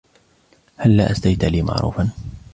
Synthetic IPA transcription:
halːaːʔast̪ajt̪aliːma̰ʕɾṵːfan

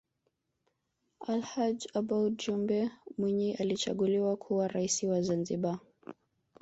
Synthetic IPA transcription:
alhad͡ʒabaud͡ʒumbɛmwiɲiʔalit͡ʃa̰ɠuliwakʰuwaɾaisiwazanziɓa

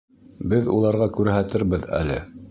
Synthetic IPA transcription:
bɘðṵlˠɑɾʁɑkʉɾɦæt̪ɘɾbɘðæ̰lɘ̰

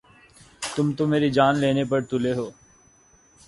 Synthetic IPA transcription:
t̪ʊmt̪omeːɾid͡ʒaːnleːnepɐɾt̪ʊleɦoː

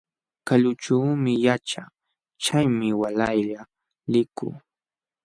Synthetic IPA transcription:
kaʎʊt͡ʃuːmɪjat͡ʃa | t͡ʃajmɪwalajʎa | lɪkʊ̰ː

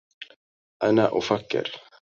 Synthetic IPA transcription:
anaʔofakːɛ̰ɾ̥

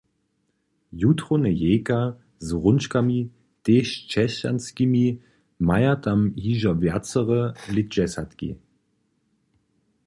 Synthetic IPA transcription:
jutʁonəjeːka | zʁʊnʃkamiː | teʃt͡ʃɛɕa̰nskimiː | majɐtamhiːʒɐvɛɐt͡səʁəlɪd͡ʒɛsatkḭ

